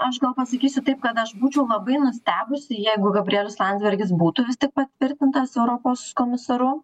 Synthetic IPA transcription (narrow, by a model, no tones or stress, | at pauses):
ɐʃɡɐlˠpɐsɐkʲiːsʲʊt̪ɐɪpkɐt̪ɐʃbuːt͡ʃʲɛʊlˠɐbɐɪnʊsʲt̪ʲæːbʊsʲɪjɛɪɡʊɡɐbʲɾʲɪɛːlʲʊslˠɑnd̪zʲbʲɛɾʲɡʲɪs̬buːt̪ʊʋʲɪstʲɪk̚pɐt̪ʲʋʲɪɾʲt̪ʲɪnt̪ɐsɛʊɾoːpoːskoːmʲɪsɐɾʊ